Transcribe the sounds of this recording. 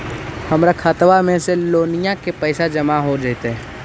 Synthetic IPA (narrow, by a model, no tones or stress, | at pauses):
hɐmɾakʰaːt̪ʋamẽseloːnijakepɛːsad͡ʒɐmaɦod͡ʒaːt̪eɦɛː